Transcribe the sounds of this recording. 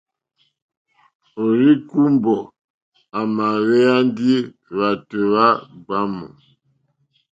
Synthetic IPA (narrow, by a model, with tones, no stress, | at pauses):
o˨ɾi˦ku˦mbɔ˨ | a˨ma˨wɛ˦a˦ndi˦ | βa˨to˨βa˦ɡ͡ba˦mɔ̰˨